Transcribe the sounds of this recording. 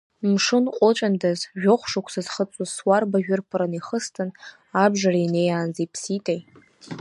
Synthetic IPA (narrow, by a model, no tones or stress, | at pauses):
mʂɨnqʷʼʊt͡ʃʷʼandazʒᶣoχʷʂakʷʰsazχət͡sʷʼʊzswarbaʒᶣʊrpʰɨɾaniχəstʰɨn | abʐarainejaːnzepʰsitʼaj